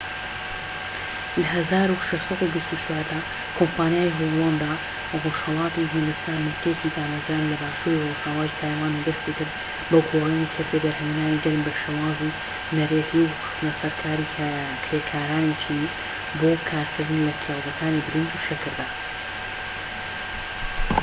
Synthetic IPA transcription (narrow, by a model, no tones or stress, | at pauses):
lɐɦɐzaːɾuʃeʃsˤɑd̪ubist̪ut͡ʃʰwaːɾd̪ɐ | kʰompaːnjaːjɦolˠɑnd̪a | roʃhɐlˠɑːt̪iɦind̪ɐst̪anmɨlkəjecid̪aːmɐzɾanlɐbaːʃuːɾiroʒhaːwaːjt̪ʰaːjwaːnd̪ɐst̪ikɨɾd̪ | bɐɡʰoːriːnikʰɨɾd̪bɐd̪ɐɾhɐminaːniɡɐlmbɐʃeːwaːzi | nɐret̪ʰiwqɨ̥st̪nɐsɐɾkʰaːɾi | kʰɾeːkʰaːɾaːnit͡ʃʰin | boːkʰaːɾkʰɨɾd̪ɨnlɐkʰelˠdɐkʰaːnibɨɾɨnd͡ʒuʃɐkɨɾd̪a